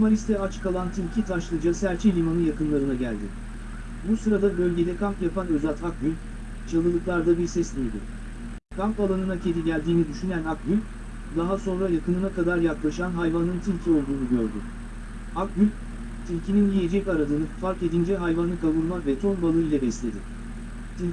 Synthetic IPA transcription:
maɾist̪ʰɛat͡ʃkʰalˠant̪ʰilʲcʰit̪ʰaʃlˠɯd͡ʒasæɾt͡ʃʰilʲimanɯjakɯnlˠaɾɯnaɟæ̰lʲd̪ɪ̰ | busɯɾad̪abø̞lʲɟe̞d̪ɛkʰampjapanøzat̪ʰak̚bylʲ | t͡ʃʰalˠɯlˠɯklˠaɾd̪abiɾsɛsmʲijd̪ɪ̰ | kʰampalˠanɯnacʰe̞d̪iɟælʲd̪iːnid̪yʃynænak̚ɟylʲ | d̪aɦaso̞nɾajakɯnɯnakad̪aɾjaklˠaʃanɦajvanɯnt̪ʰilʲcʰio̞lˠd̪uːnuɟø̞ɾd̪ʏ | ak̚ɟylʲ | t̪ʰilʲcininjije̞d͡ʒɛcaɾad̪ɯnɯfaɾke̞d̪ind͡ʒɛɦajvanɯkʰabuɾmavɛt̪ʰo̞nbalˠɯilʲɛbɛslʲe̞d̪ɪ | t̪ʰilʲ

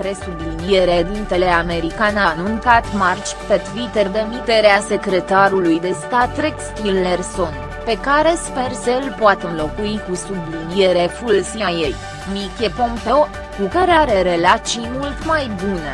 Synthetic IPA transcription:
pɾe̞sublind̪ieɾed̪int̪e̞le̞ame̞ɾikananunkat̪mart͡ʃpet̪vit̪erd̪emit̪e̞ɾease̞kɾe̞t̪aɾulujd̪e̞st̪at̪ːɾekst̪ilːerso̞n | pe̞kaɾe̞spe̞rsəɨlpoat̪ɨnlo̞kuikusublid̪ie̞ɾefulsiajej | mikʲepõmpeo | kukaɾe̞aɾe̞ɾe̞lat̪sijmult̪majbune̞̰

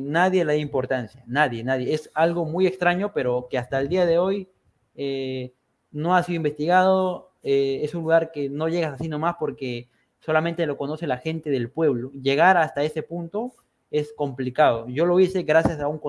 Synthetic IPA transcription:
naðje̞laðaimpo̞ɾt̪ansjanaðje̞naðjeesalɣo̞muje̞kst̪ɾaɲo̞pe̞ɾo̞ke̞ast̪aeld̪iaðe̞o̞j | e | no̞asiðoimbe̞st̪iɣað̞o̞ | eesunluɣaɾke̞no̞ʝe̞ɣasasino̞maspo̞ɾke̞ | so̞lament̪e̞lo̞ko̞no̞se̞laxe̞nt̪e̞ð̞e̞lpwe̞βlo̞ʝe̞ɣ̞aɾast̪ae̞se̞punt̪o̞ | e̞sko̞mplikaðo̞ʝo̞lo̞ise̞ɣɾasjasauŋko

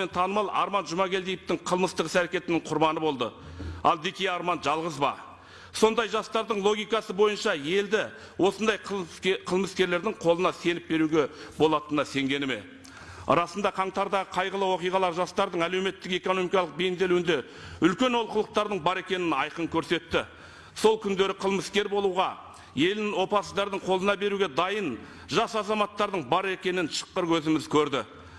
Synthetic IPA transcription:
ment̪ʰɑnəmɑlˠɑ̰ɾmɑnʒʊmɑɡʲe̞ld̪ejɪpt̪ɪɴqʰəlˠməst̪əʁəsæɾe̞kʲe̞t̪ɪnɪɴqʰʊɾbɑnəbo̞lˠd̪ə̰ɑ̰lˠd̪ekʲejɑɾmɑnʒɑlˠʁəzbɑ̰ | so̞nd̪ɑjʒɑst̪ɑɾd̪əɴlˠo̞ɡʲijkɑsəbo̞jənʃɑje̞ld̪ɪ | wo̞sənd̪ɑjqʰəlˠməskʲe̞ɾle̞ɾd̪ɪŋqʰo̞lˠənɑse̞nɪp̚be̞ɾuɡʲe̞bo̞lˠɑt̪ənɑse̞ŋɡʲe̞nɪme̞̰ | ɾɑsənd̪ɑqʰɑɴt̪ɑɾd̪ɑʁəqʰɑjʁəlˠəwo̞qijʁɑlˠɑɾʒɑst̪ɑɾd̪əɴæle̞wme̞t̪ːɪke̞ko̞no̞mikɑlˠəq̚bejɪnd̪e̞luwɪnd̪e̞ | ʏlkʲe̞nwolˠqʰəlˠəq̚t̪ɑɾd̪əɴbɑɾe̞kʲe̞nɪnɑjqəɴkʲʰɵɾse̞t̪ːɪ | so̞lˠkʲʰʏnd̪e̞ɾɪqʰəlˠməskʲe̞ɾbo̞lˠuʁɑ | je̞lɪnɪŋwo̞pɑsəzd̪ɑɾd̪əɴqʰo̞lˠənɑbe̞ɾuɡʲe̞d̪ɑjən | ʒɑsɑzɑmɑt̪ːɑɾd̪əɴbɑɾe̞kʲe̞nɪnʃə̥qːəɾwɵzɪmɪzkʲʰɵɾd̪ɪ

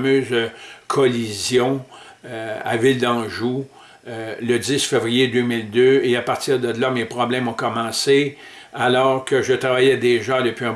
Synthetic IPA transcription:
møːzkʰɔlizjɔ̃ | a̰vɪld̪ɑ̃ʒu | ləd͡zɪsfevʁijed̪ømɪld̪øeapaʁt̪iʁd̪əd̪əlamepʁɔblɛ̃mɔ̃kɔmɑ̃ːse | alɔːʁkəʒət̪ʁavajɛd̪eʒad̪əpɥiɛ̃ː

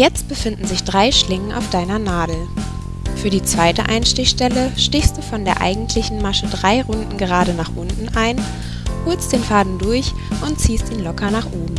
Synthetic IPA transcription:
jɛt͡st̚b̥əfɪndn̩zɪçd̥ʁaɪʃlɪŋənʔa̰ʊfd̥aɪnɐnaːdl̩ | fyːɐdiːt͡sv̥aɪtə̰ʔa̰ɪnʃtɪçʃtɛləʃtɪçstd̥uːfɔndeːɐʔa̰ɪɡŋ̩tʰlɪçn̩maʃədʁaɪʁʊndn̩ɡəʁaːɾənaːχʔʊntn̩ʔaɪn | hʊɐlst̚d̥eːnfaːdn̩dʊɐç | ʔʊntt͡siːstʔiːnlɔkɐnaːχʔoːbm̩

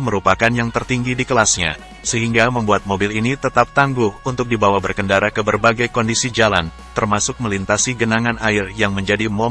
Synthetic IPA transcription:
məɾupakanjaŋt̪ərt̪iŋɡidikəlasɲa̰ | səɦiŋɡaməmbuat̪̚mobɪlinit̪ət̪ap̚t̪aŋɡʊhunt̪ʊk̚dibawabərkəndaɾakəbərbaɡajkɔndisid͡ʒalan | t̪ərmasʊk̚məlint̪asiɡənaŋanaɪrjaŋməɲd͡ʒadimɔ

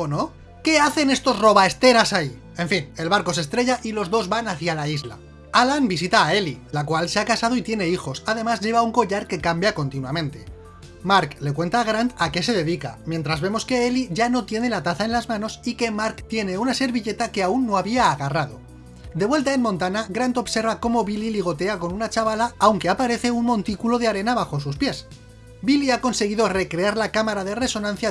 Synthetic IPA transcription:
ono | ke̞aθe̞ne̞st̪o̞zro̞β̞ae̞st̪e̞ɾasai | e̞ɱfine̞lβaɾko̞se̞st̪ɾe̞ʝaʔilo̞zðo̞zβanaθjalaizla̰ | alanbisit̪aːe̞lilakwalse̞akasað̞o̞it̪je̞ne̞ixo̞sað̞e̞mazʝe̞β̞auŋko̞ʎaɾke̞kambjako̞nt̪inwamẽ̞nt̪e̞ | maɾkle̞kwe̞nt̪aɣ̞ɾant̪ake̞se̞ðe̞ðika̰mje̞nt̪ɾazβe̞mo̞ske̞eliʝano̞t̪je̞ne̞lat̪aθaenlazmãno̞sike̞maɾkt̪je̞ne̞unase̞ɾβiʎe̞t̪ake̞aunːo̞aβiaːɣarað̞o̞ | d̪e̞βwelt̪ae̞nmõnt̪anaɣɾant̪o̞βse̞ɾβako̞mo̞βililiɣo̞t̪e̞ako̞nunat͡ʃaβalaːwŋke̞apaɾe̞θe̞unmõ̞nt̪ikulo̞ð̞eaɾe̞naβ̞axo̞s̬uspje̞s | biliako̞nse̞ɣ̞iðo̞re̞kɾe̞aɾlakamaɾaðe̞re̞so̞nãnθja

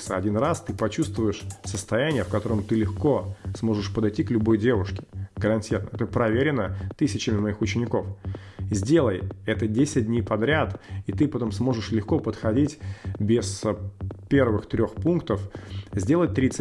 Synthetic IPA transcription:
səɐ̰dʲinrast̪ɨpɐt͡ɕust̪vʊjɪʂsəst̪ɐjænʲɪjəfkɐt̪o̞ɾəmt̪ɨlʲɪxko̞smo̞ʐɨʂpəd̪ɐjtʲiklʲʊbo̞jdʲe̞vʊʂkʲɪ̥ɡəɾɐnʲtʲirnə̰ɛt̪əpɾɐvʲeɾʲɪnət̪ɨsʲɪt͡ɕɪmʲɪmɐixʊt͡ɕɪnʲɪko̞fzʲdʲe̞lˠəjɛt̪ədʲesʲɪt̚ʲdʲnʲejpɐd̪ɾʲat̪it̪ɨpɐt̪o̞msmo̞ʐɨʂlʲɪxko̞pət̪xɐdʲitʲbʲɪspʲe̞rvɨxt̪ɾʲo̞xpunkt̪əfzʲdʲelˠəjt̪ɾʲit̪s

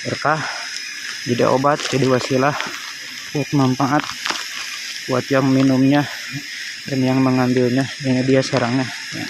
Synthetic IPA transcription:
bərkah | dida̰ʔo̰bat̪̚d͡ʒadiwasilah | wat̪̚mampaʔat̪̚ | uat̪jaŋminʊmɲa | danjaŋməŋambɪlɲadaadiaskaɾaŋɲa | ja̰

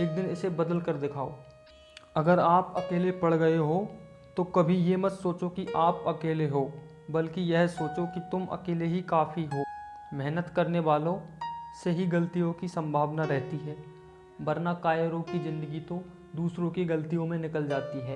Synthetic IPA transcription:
eːk̚d̪ɪnɪsebɐd̪əlkɐɾd̪ɪkʰaːoː | ɐɡəɾaːpɐkeːlepɐɽ̤ɡɐeɦo | t̪okɐbʱijemɐt̪soːt͡ʃokiʔaːpɐkeːleɦoː | bɐlkijɛɦsoːt͡ʃokit̪ʊmʔɐ̰keːleɦikaːfiɦoː | mɛɦnət̪kɐɾneʋaːlõseɦiɡɐlt̪ijõkisɐ̃mbʱaːʋnaɾɛɦt̪iɦɛː | bɐɾnakaːjəɾõkizɪ̃nd̪əɡit̪o | d̪uːsɾõkiɡɐlt̪ijõmẽnɪkəld͡ʒaːt̪iɦɛː

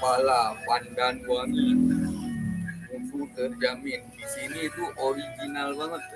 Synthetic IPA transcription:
palapandanwaŋin | unt̪ut̪ərd͡ʒamindisiniːt̪uʔoɾiɡinalbaŋət̪̚

